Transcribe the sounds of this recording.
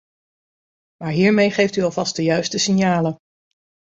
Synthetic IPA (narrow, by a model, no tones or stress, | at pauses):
maːɹɦiːɹmejχejftyɑlˠvɑst̚dəjœɥstəsɪnjaːlən